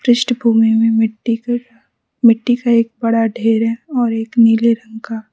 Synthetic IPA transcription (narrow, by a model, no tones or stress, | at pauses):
pɾɪʃʈbʱuːmimẽmɪʈːik | mɪʈːikaeːk̚bɐɽaɖʱeːɾɦɛɔːɾeːkniːleɾɐ̃ŋka